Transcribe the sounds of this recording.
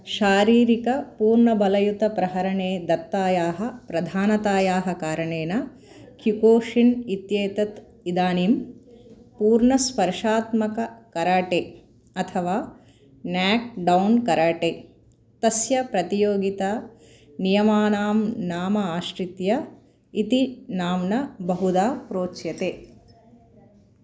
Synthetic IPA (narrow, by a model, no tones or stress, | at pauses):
ʃaːɾiːɾikɐpuːɾɳɐbɐlɐjut̪ɐpɾɐɦɐɾɐɳeːd̪ɐt̪ːaːjaːɦɐ̆pɾɐd̪ʱaːnɐt̪aːjaːɦɐ̆kaːɾɐɳeːnɐ | kjukoːʂinit̪jeːt̪ɐt̪ | id̪aːnim | puːɾɳɐspɐɾʂaːt̪mɐkɐkɐɾaːʈeː | ɐt̪ʰɐʋaː | naːk̚ɖɐwnkɐɾaːʈeː | t̪ɐsjɐpɾɐt̪ijoːɡit̪a | nijɐmaːnaːmnaːmɐaːʃɾit̪jɐ | it̪inaːmnɐbɐɦud̪aːpɾoːt͡ʃjɐt̪eː